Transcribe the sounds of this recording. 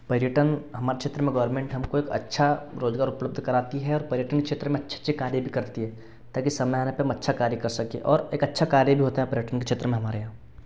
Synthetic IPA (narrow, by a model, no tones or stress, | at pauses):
pɐɾjəʈənɦɐmaːɾet͡ʃʰeːt̪ɾəmẽɡɐʋɾmẽːɳʈɦɐmkoeːkɐ̰tːʃʰaɾoːzɡaːɾʊpləbd̪ʱkɐɾaːt̪iɦɛɔːɾpɐɾjəʈənkekt͡ʃʰeːt̪ɾəmẽɐtːʃʰe̥tːʃʰekaːɾjəbʱikɐɾt̪iɦɛ | t̪aːkisɐmɛaːnepemɐtːʃʰakaːɾjəkɐɾsɐkḛʔɔːɾeːkɐtːʃʰakaːɾjəbʱiɦoːt̪aɦɛpɐɾjəʈənket͡ʃʰeːt̪ɾəmẽɦɐmaːɾeɦã